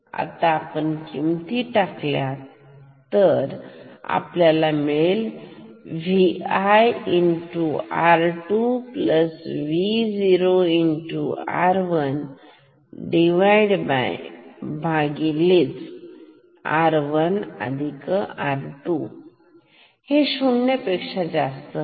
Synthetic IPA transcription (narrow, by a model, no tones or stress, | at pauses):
a̰t̪aːpəɳkimt̪iʈaklja | t̪əɾa̰pljalameel | ʋiajinʈuaɾʈupləsʋid͡ziɾoiɳʈua̰ɾʋən | ɖiʋajɽb | bʱãɡilit͡s | a̰ɾʋənə̰d̪ʱikəaɾʈu | heɕuɳjəpekʂad͡zast̪ə